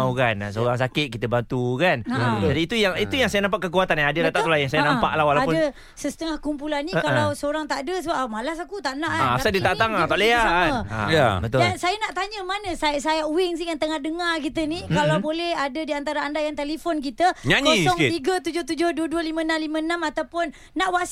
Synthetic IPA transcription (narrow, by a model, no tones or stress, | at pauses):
wkana̰səoɾaŋs̬akɪt̪̚kit̪əbant̪ukanad͡ʒadiːt̪ujaŋit̪ujaŋsajanampaʔkəkuat̪aniadəlat̪aʔt̪ulajaŋsajanãmpa̰ʔlahwalaapʊndə | səsət̪əŋahkumpulanːikalawsəoɾaŋt̪aʔdəsəbapmalasakut̪aʔnaʔaasadit̪at̪aŋat̪aleaəa̰jabət̪ʊdalnsajanaʔt̪aɲəmanə̃sasajauɪŋs̬ikant̪əŋahdəŋarkit̪ənikalawbolɛhadədiant̪aɾaandajaŋt̪elefɔnk̬it̪əɲaasɔŋt̪iɡət̪ud͡ʒʊht̪ud͡ʒʊhduəduəlimənamlimə̃namat̪awpʊnːaʔwas